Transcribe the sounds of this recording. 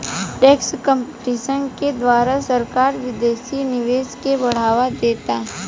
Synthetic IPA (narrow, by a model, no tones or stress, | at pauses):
ʈeːkskə̃mpʈiːsənked̪ʋaːɾasəɾkaːɾʋɪd̪eːsinɪʋeːskebɐɽ̤aːʋad̪eːt̪aɦ